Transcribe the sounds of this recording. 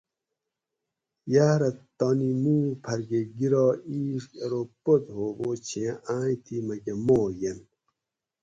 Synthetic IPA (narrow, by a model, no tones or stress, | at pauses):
jaːɾɐt̪oːnimuːpʰɐɾɡeɡiɾɑːiːʂkeɾopot̪ɦoːbot͡ɕʰiaːit̪ʰimɐɡemoːjen